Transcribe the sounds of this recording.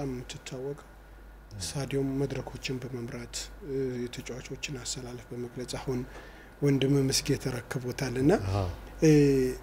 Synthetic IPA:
ammːɨt̪ʰːɨt̪ʰːawːɔkʼəw | sad̪jomːəd̪ɾəkʰo̞t͡ʃːɪnbəməmɾat̪jɛt̪ʰət͡ʃʼwat͡ʃʼo̞t͡ʃːɪnast̪ʰəlaləfbəməɡlət͡ʃʼahun | wɔnd̪ɨmɨmɨsɡɛt̪ʰəɾəkːɨβɔt̪ʰalːɨnːa

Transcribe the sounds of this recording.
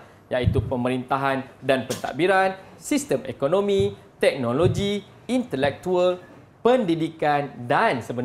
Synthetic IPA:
jait̪upəməɾint̪aɦandanpət̪a̰ʔbiɾan | sist̪əmḛkonõmĩ | t̪ɛk̚noloɡi | int̪əlɛk̚t̪uəl | pəndidikandansəbən

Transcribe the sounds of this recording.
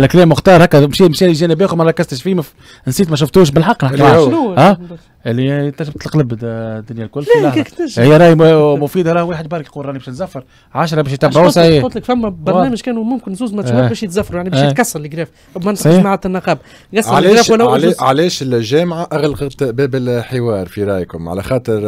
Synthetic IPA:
ʔlːækleːmʊxt̪ɑːɾˤhɛːkːæmʃiːmʃæːliʒæːnebiːxumæɾˤɑkːɪzt̪əʃfiːmæ | nsiːt̪mæʃ̬ʊft̪uːʃ̬bɪlħɑqːnɪħkːuæː | ɪlːit̪ːæʒbt̪lqlɪbd̪ːʊnjælkʊlːlːkːk̪æʃhɪjːæɾˤɑːjmʊfiːd̪ɑɾˤɑːhweːħəd̪bɑɾkquːɾˤɑʕnibɛːʃət̪zæfːɑɾˤ | ʕaʃ̬ɾˤɑbɛːʃjt̪æbːaʕuwsaʕiːʊt̪ˤləkfæmːæbɑɾnæːmɪʒkɛːnumʊmkɪnzuːzmæt̪ʃubɛːʃjt̪zæfːɾujaʕnibæʃjtkɑsːɑɾˤlɪɡɾɛːf | ʔmænːmaʕat̪ɪnːɑqɑːb | ɡɑsʕɑɾaːɾɛwælːalʕalɛːʃɪlʒɛːmʕaʔaɣlqɑt̪bɛːbɪlħɪwɑːɾˤfiɾˤɑːjkʊmʕa̰læxɑːt̪ˤəɾ

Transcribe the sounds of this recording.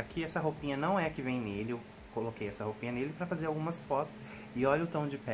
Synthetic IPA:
akʰiɛsɐɦopĩɲɐnɐ̃w̃ɛɐkɪvẽj̃nelɪew | kolokejɛsɐhopĩɲɐnelɪpɾɐfazeɾawɡũmɐsfɔt̪ʊ̥s | ɪɔʎʊt̪ɐ̃w̃d͡ʒɪpɛ

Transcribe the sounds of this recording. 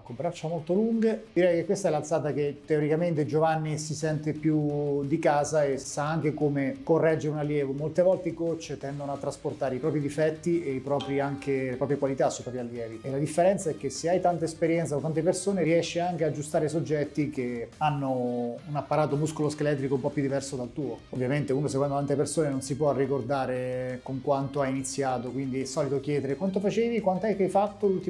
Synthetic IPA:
akːompɾat͡ʃamolt̪oluŋɡed̪iɾɛjkekːwest̪aɛlalt̪saːt̪ak̟et̪ːeoɾikament̪ed͡ʒovanːisisɛnt̪epjud̪ikaːzaesaaŋk̟ekomekorːɛd͡ʒːeɾeunalːjɛːvomolt̪evɔlt̪eikot͡ʃːt̪ɛnd̪onoat̪ːɾasport̪aːɾeipɾɔːpɾid̪ifɛt̪ːieipɾɔːpɾiaŋkelepɾɔːpɾjekwalit̪asːuipɾɔːpɾialːjɛːvielad̪ifːeɾɛnt̪saɛkːeseajt̪ant̪aespeɾjɛnt̪sakot̪ant̪epersoːneɾiɛʃːiaŋk̟ead͡ʒːust̪aːɾes̬od͡ʒːɛt̪ːikeanːounapːaɾaːt̪omuskoloskelɛt̪̬ːɾikoumpɔpːjud̪ːivɛrsod̪alt̪uːoovːjament̪euːnos̬ekwɛnd̪ot̪ant̪̬epersoːnenonsipwɔrːikord̪aːɾekoŋkwant̪oajinit̪sːjaːt̪okwind̪iɛsːɔːlit̪okjɛːd̪eɾekwant̪̬ofat͡ʃeːvikwant̪oɛkːajfat̪ːolult̪i

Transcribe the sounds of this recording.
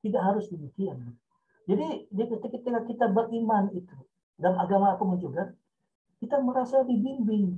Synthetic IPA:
t̪idaʔɦaɾʊsdəmikian | d͡ʒadidiakət̪əkət̪ekakit̪abərʔimanit̪u | danaɡamaːpaməɲd͡ʒoɡa | kit̪aməɾasadibimbɪŋ

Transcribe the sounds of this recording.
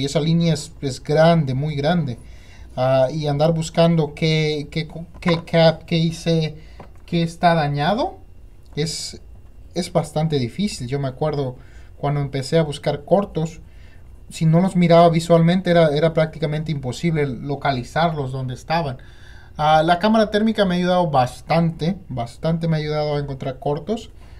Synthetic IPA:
ie̞salinjaese̞zɡɾand̪e̞mujɣɾand̪e̞ | aiand̪aɾβuskand̪o̞kekekekʰapkeise | ke̞ːst̪aðaɲaðo̞ | e̞s | e̞zβast̪ant̪e̞ðifisilʝo̞me̞akwe̞ɾðo̞ | kwand̪oempe̞se̞aβuskaɾko̞ɾt̪o̞sː | ino̞lo̞zmiɾaβaβiswalmẽnt̪e̞eɾae̞ɾapɾak̚t̪ikament̪eimpo̞siβle̞lo̞kalisaɾlo̞zðo̞nd̪e̞ːst̪aβan | alakamaɾat̪e̞ɾmikame̞aʝuðaðo̞βast̪ant̪e̞bast̪ant̪̬e̞me̞aʝuðaðoaeŋko̞nt̪ɾaɾko̞ɾt̪o̞s

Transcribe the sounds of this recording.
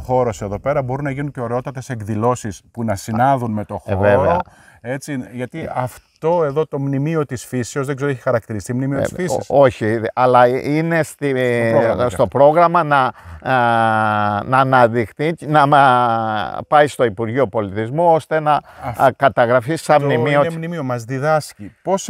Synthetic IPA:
xo̞ɾo̞se̞ðo̞pe̞ɾɐbo̞ɾunɐʝinuɲceoɾeo̞t̪ɐt̪e̞se̞kðilo̞sispunɐsinɐðunme̞t̪o̞xveveɐ̰e̞t͡siʝɐt̪iɐft̪o̞e̞ðo̞t̪o̞mnimio̞t̪isfiseo̞zðe̞ɡze̞ɾoeçi̥xɐɾɐkt̪iɾist̪imnimio̰sfissoçiɐlɐine̞st̪i | st̪o̞pɾo̞ɣɾɐmɐnɐ | nɐnɐðixθinɐm | pɐjst̪o̞ipuɾʝio̞po̞lit̪izmuo̞st̪e̞nɐkɐt̪ɐɣɾɐfisɐmnimmiomnimiomɐzðiðɐscipos

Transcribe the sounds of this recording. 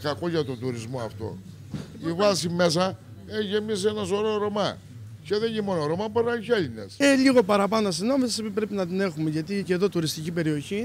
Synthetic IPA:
kɐko̞ʝɐt̪od̪uɾizmoɐft̪o̞̰ | ivɐsime̞s̬ɐ | eçemisenɐso̞ɾoɾomɐ | ceðeimo̞noɾomɐboɾnɐiçeʎinḛseliɣo̞pɐɾɐpɐnostino̞mesipipɾe̞pinɐt̪ine̞xumeʝɐt̪iceðo̞t̪uɾist̪icipe̞ɾio̞çi

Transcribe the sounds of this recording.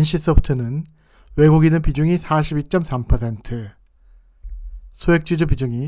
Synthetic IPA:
inɕʰis͈ʌputʰɯnɯn | we̞ɡuɡinɯnpid͡ʑuŋisʰaɕʰibiɭt͡ɕ͈ʌmsʰampʰʌsʰe̞ntʰɯ | sʰoɦek̚t͡ɕ͈id͡ʑupid͡ʑuŋi

